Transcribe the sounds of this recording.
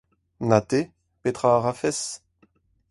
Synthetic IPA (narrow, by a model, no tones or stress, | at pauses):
nat̪e | pet̪χaːʁafɛs